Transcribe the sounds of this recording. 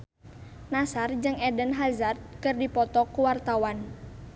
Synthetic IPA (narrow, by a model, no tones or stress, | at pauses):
nasard͡ʒɨŋɛdənɦazard̪̚kɨrdipɔt̪ɔkuwart̪awan